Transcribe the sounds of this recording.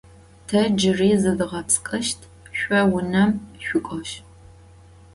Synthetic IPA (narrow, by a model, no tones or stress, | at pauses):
tʰɐd͡ʒɪriːzɨdɨʁɐpt͡sʰʼkʼɐʃtʰ | ʃʷʼɔwʊnɐmʃʷʊkʷʼɔʃ